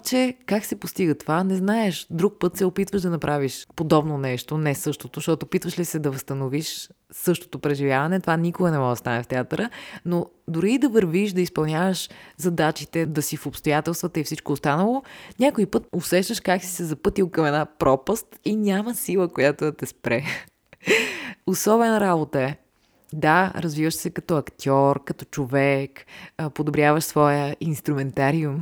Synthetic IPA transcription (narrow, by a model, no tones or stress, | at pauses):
t͡ʃɛkaksɛpost̪iɡət̪ovanɛznaɛʃd̪ɾuk̚pɤt̪sɛopit̪vəʃd̪ɐnɐpɾʔaviʃpod̪ɔbnonɛʃt̪onɛsɤʃt̪ot̪oʃt̪ɔt̪oːpit̪vəʃlisɛd̪ɐvəst̪ɐnoviʃ | sɤʃt̪o̥t̪opɾɛʒivjavɐnɛt̪ovanʲikoɡənɛmɔʒd̪ɐst̪anɛft̪ɛat̪əɾəno | d̪ʊɾiːd̪ɐvəɾviʃd̪ɐispɐlˠnʲavəʃzɐd̪at͡ʃit̪ɛd̪ɐsifopst̪ojat̪ɛlˠst̪vət̪əifsit͡ʃkoːst̪anəlˠonʲakoipɤt̪osɛʃt̪əʃkaksi̥sɛzɐpɤt̪ilˠkɐmɛd̪apɾʔɔpəst̪inʲaməsilˠəkojat̪ot̪ɛspɾɛ | osɔbɛnəɾabot̪əɛ | d̪aɾɐzvivəʃsɛkɐt̪ɔɐkt̪ʲɔɾkɐt̪ɔ̥t͡ʃovɛkpod̪obɾʲjavəʃsvɔjəinst̪ɾʊmɛnt̪aɾium